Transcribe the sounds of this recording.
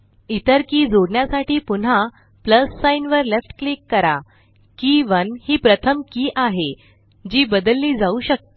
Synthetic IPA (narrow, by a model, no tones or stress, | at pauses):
it̪əɾkiːd͡zoɽɳjasaʈiːpun̤a | pləsːainʋəɾlefʈklikːəɾa | kĩʋənhiːpɾət̪ʰəmkiːʔaɦe | d͡ʑiːbəd̪əlːiːd͡zauɕək̚t̪